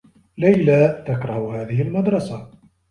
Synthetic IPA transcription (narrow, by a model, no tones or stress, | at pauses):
lajlat̪akɾˤɑhhaːðɪhɪlmɑd̪ɾˤɑsa